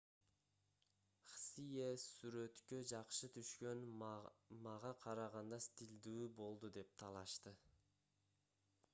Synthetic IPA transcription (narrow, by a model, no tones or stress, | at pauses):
χsijesyɾø̞t̪kød͡ʒɑqʃɯt̪ʰyʃkø̞n | mɑʁɑqʰɑɾɑʁɑnd̪ɑst̪ʲild̪yːbo̞lˠd̪ud̪e̞p̚t̪ʰɑlˠɑʃt̪ɯ